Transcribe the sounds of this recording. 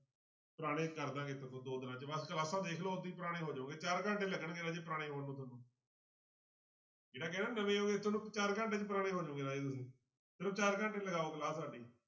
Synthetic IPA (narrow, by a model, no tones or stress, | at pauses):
pəɾaːɽ̃ẽːkəɾd̪ãːɡeːt̪ʊkõːd̪oːd̪ɪnãːt͡ʃʋəskəlaːsãːd̪eːkʰloːʊd̪iːpəɾaːɽ̃ẽːɦoːd͡ʒãũːɡeːt͡ʃaːɾkə̃ɳʈeːləɡəɳɡeːnaːd͡ʒeːp̬əɾaːɽeːɦoːnũːt̪̬nũː | d͡ʒeːɽaːk̬ɛːnaːnəʋẽːɦoːɡeːt̪ʊnũːt͡ʃaːɾkə̃ɳʈeːt͡ʃp̬əɾaːɽ̃eːɦoːd͡ʒãːɡeːnaːd͡ʒeːt̪ʊsĩː | t̪ʊnũːt͡ʃaːɾkə̃ɳʈẽːləɡaːoːkəlaːssaːɖiː